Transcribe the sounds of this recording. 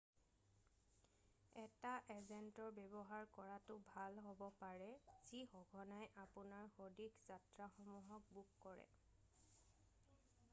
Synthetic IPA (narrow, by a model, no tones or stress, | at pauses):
ɛtaʔezɛntɔɹbɛbɔɦaɹkɔɹatʊbʱalɦobɔpaɹɛz̥ixɔɡʱɔnajʔapʊnaɹxodiɡzatɹaxɔmuɦɔk̚bukkɔɹɛ̰